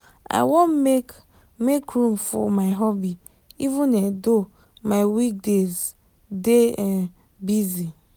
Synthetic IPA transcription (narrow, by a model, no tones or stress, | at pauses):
a̰ɪwõnme | mekɹũmfɔ̰maɪɦɔbi | ivũnɛ̃do | maɪwik̚dez | deɛ̃n | bizi